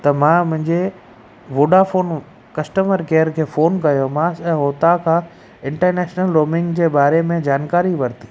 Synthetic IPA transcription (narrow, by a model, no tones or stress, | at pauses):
t̪ɐmãmʊ̃ɦɪ̃ɲd͡ʑe | ʋoːɖafoːn | kɐsʈəməɾkeːəɾkʰeːfoːnkɐjomãsɛ̃ɦoːt̪akʰãː | ɪ̃ɳʈəɾneːʃnəlɾoːmɪ̃ŋɡd͡ʑeːbaːɾemẽd͡ʑaːnkaːɾiʋɐɾt̪ʰi̥